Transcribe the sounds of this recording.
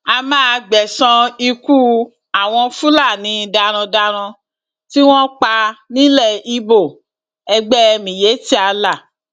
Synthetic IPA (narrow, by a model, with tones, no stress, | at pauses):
a˧mãː˦˧ɡ͡bɛ˨sã˧i˧ku˦ | a˦˨w̃ɔ̃˧fu˦la˦˨nĩ˨˦˧da˧ɾ̃ã˧da˧ɾ̃ã˧ | ti˦w̃ɔ̃˦k͡pa˧nĩ˦lɛ˦˨i˧bo˦˨ | ɛ˧ɡ͡bɛ˦ɛ˧mĩ˨je˨˦ti˦a˧la˦˨